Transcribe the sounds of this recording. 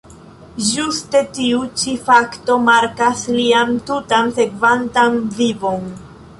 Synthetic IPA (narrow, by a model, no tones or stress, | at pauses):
d͡ʒuste̞tiut͡ʃifakto̞maɾkasliamtutanse̞kvantanvivo̞n